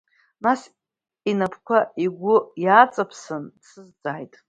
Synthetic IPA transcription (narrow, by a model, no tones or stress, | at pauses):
nas | inapʰkʷʰaiɡʷʊjat͡sʼapʰsɨndsɨzd͡zaːjtʼ